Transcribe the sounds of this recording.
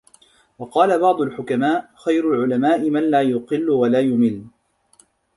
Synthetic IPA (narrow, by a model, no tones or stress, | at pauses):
wɑqɑːlabɑʕd̪ˤʊlħʊkamaːʔxajɾʊlʕʊlamaːʔɪmanlaːjʊqɨlːʊwalaːjʊmɪlː